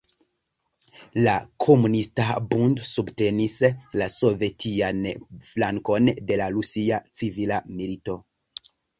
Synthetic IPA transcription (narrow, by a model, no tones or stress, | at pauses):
lakʰo̞munistabundsubte̞nislaso̞ve̞tʰianflaŋko̞nde̞laɾusiat͡sivilamilito̞